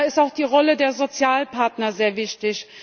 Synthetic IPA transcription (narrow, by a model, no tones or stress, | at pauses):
ɪstaʊxd̥iːʁɔlədeːɐzot͡sjaːlpʰaɐtnɐzeːɐvɪçtɪç